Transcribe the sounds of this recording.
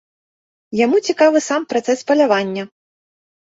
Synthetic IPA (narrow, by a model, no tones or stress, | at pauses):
jamut͡sʲikavɨsampɾat̪sɛspɐlʲavanʲːɐ